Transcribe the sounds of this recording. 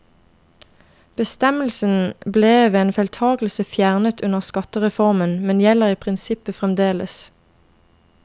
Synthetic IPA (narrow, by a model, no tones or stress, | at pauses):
b̥əst̪ɛməlsn̩bleːʋeːeːnfɛlt̪ʰɑːɡl̩səfjæʁnət̪ʰʉnəʁskɑt̪əʁɛfɔʁmənmɛnjɛləʁiːpʰʁɪnsɪpəfʁɛmd̪eːlə̰s